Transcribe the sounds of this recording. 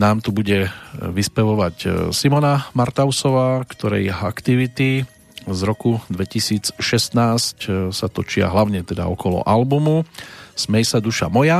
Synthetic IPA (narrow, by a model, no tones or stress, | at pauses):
naːmt̪ubuɟɛʋispɛʋɔʋacsimɔnamaɾt̪aʊsɔʋaːkt̪ɔɾɛ̰jɦakt̪iʋit̪i | zɾɔkud̪ʋɛcisiːt͡sʃɛst̪naːscsat̪ɔt͡ʃɪa̰ɦlaʊɲɛt̪ɛd̪a̰ɔkɔlɔ̰ʔalbumusmɛjsad̪uʃa̰mɔja